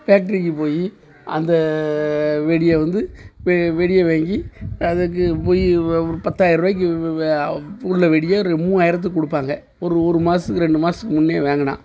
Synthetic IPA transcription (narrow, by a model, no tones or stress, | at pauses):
fjaːk̚ʈɐɾɪkːɯpoːji | ɐnd̪ɐ | ʋɛɽɪjɐʋɐnd̪ɯʋɛʋɛɽɪjɐʋeːŋɡiɐðɐk̬ːɯpoːjipɐt̪ːaːjɪɾʋɐːjɪk̬ːɯ | ʊlːɐʋɛɽɪjɐɔɾmũːaːjɪɾɐt̪̬ːɯkːɔɽɯpːaːŋɡɐ | ɔɾɯɔɾɯmaːsɯkːɯɾɛɳɖɯmaːsɯkːɯmʊnːeːʋeːŋɡɐna̰ː